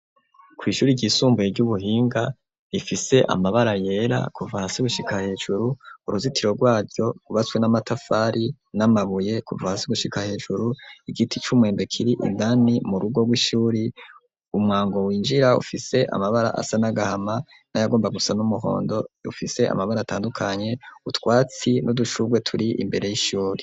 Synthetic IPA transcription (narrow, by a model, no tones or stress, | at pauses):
kwiːʃuːɾiɟisuːmbujevɟuβuɦiːŋɡa | ifise̞ʔa̰maβaɾaje̞ːɾa̰kʰuvahasiɡuʃikʰahe̞ːʒuɾuːɾuzitʰiɾo̞ɡwaːɾɟo̞ɡ̥uβat͡swenamatafaːɾʔi | namaβuje̞kṵvahasiɡuʃikahe̞ːʒuɾuiɡitit͡ʃumwe̞ːmbe̞kʰiɾiʔḭndanimuɾuɡo̞ɡwiʃuːɾi | umŋaːŋɡo̞wiːnd͡ʒiɾaṵfise̞ʔa̰maβaɾa̰ʔa̰sanaɡahama | najaɡo̞ːmbaɡusanumuɦo̞̰ːndo̞ṵfise̞ʔa̰maβaɾata̰ːndukʰaɲe̞utwaːt͡sinʔuduʃuɡwe̞tʰuɾiʔḭmbe̞ɾe̞jiʃuːɾi